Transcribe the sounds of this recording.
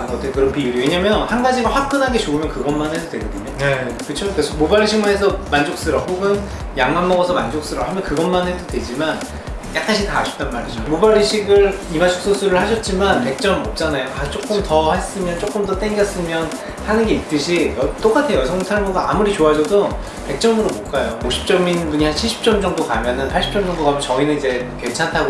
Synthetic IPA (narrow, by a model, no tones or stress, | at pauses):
ɡʌt͈ɯjkɯɾʌkʰiuɾieɲamjʌnhanɡad͡ʑiɡaɸwak̚k͈ɯnɦanɡe̞t͡ɕoumjʌnkɯɡʌnmanɦe̞dodwedʌdiɲʌn | kɯt͡ɕʰokesʰomobaɾːiɕʰiŋmanɦesʰʌmand͡ʑok̚s͈ɯɾʌhoɡɯn | jaŋmannʌɡʌsʰʌmand͡ʑok̚s͈ɯɾʌhamjʌnkɯɡʌnmanɦe̞dodwe̞d͡ʑiman | jak͈ʰaɕʰitaːɕʰi̥p̚t͈anmaɾid͡ʑomobaɾiɕʰiɡɯɭ | imat͡ɕʰo̥k̚s͈ʰosʰuɾɯɭhaɕʰʌt̚t͡ɕ͈imanpe̞k̚t͡ɕ͈ʌmʌp̚t͡ɕ͈anajokat͡ɕ͈ok͈ɯmtʌhes͈ɯmjʌnt͡ɕ͈ok͈ɯmdʌt͈eŋɡʌs͈ɯmjʌn | hanɯnɡe̞it̚t͈ɯɕʰijʌt͈ok͈atʰe̞jʌsʰʌŋmusʰaɭmuɡaa̰muɾit͡ɕoad͡ʑʌdo | pe̞k̚t͡ɕ͈ʌmɯɾomoɭk͈ajooɕʰi̥p̚t͡ɕ͈ʌminbuɲiɦant͡ɕʰiɭɕ͈ʰi̥p̚t͡ɕ͈ʌmd͡ʑʌŋdokamjʌnɯnpʰaɭɕ͈ʰi̥p̚t͡ɕ͈ʌmd͡ʑʌŋdokamjʌnt͡ɕʌinɯnid͡ʑe̞ke̞nt͡ɕʰantʰaɡo